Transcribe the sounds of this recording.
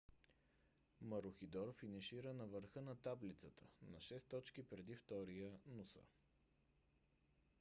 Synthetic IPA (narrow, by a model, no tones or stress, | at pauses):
məɾʊxid̪ɔɾfinɛʃiɾənɐvəɾxənɐt̪ablit̪sət̪ʰənɐʃɛst̪ɔt͡ʃk̟ipɾɛd̪ift̪ɔɾijənusə̰